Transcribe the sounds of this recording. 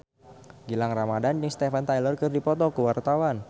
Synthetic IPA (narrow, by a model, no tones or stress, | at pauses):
ɡilaŋramadand͡ʒɨŋst̪efant̪ajlərkɨrdipɔt̪ɔkuwart̪awan